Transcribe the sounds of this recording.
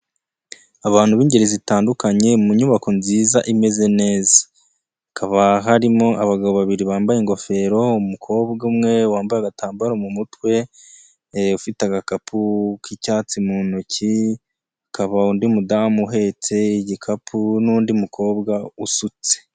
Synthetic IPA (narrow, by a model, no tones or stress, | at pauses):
aβaːnhuβiːɲɟe̞ɾezitaːndukaɲe̞muɲuβako̞nziːzaʔime̞ze̞ne̞ːzḁː | kʰaβaɦaɾimo̞ʔaβaɡaβoβaβiɾiβaːmbajeŋɡo̞fe̞ɾo̞umukʰo̞ːbɡaumŋe̞waːmbajaɡataːmbaɾomumutwe̞ | ufitaɡakapʰukicaːt͡simunoci | akʰaβaundimudamuɦe̞t͡se̞iɟikʰapʰunuːndiumukʰo̞ːbɡausut͡se̥